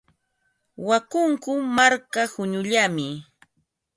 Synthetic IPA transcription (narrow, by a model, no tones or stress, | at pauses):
wakʊŋkʊmaɾkahʊɲʊʎamɪ